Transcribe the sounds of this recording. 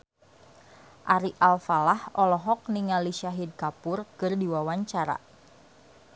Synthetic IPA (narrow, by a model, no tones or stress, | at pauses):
ʔaɾiʔalfalahɔlɔɦɔk̚niŋaliʃaɦid̚kapʊrkɨrdiwawaɲt͡ʃaɾa̰